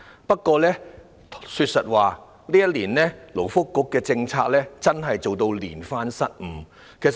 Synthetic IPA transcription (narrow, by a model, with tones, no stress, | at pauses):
pɐ˥t̚kːɔː˧lɛː˥ | syː˧t̚sɐ˨t̚waː˨ | liː˥jɐ˥t̚liː˨˩nlɛː˥lo˨˩wfʊ˥kːʊ˨˥kːɛː˧t͡sɪ˧ŋt͡sʰaː˧k̚lɛː˥t͡sɐ˥nɦɐ˨jt͡so˨wt̪o˧wlḭː˨˩nfaː˧˥nsɐ˥t̚m̩˨˩ | kʰe˨˩js